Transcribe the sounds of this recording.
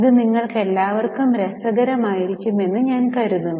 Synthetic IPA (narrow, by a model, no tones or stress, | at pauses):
iðɨniŋːɐɭke̞lːaːʋɐrkumɾesɐɡɐɾɐmaːjiɾikʲːume̞nːɨɲaːnkɐɾuðunː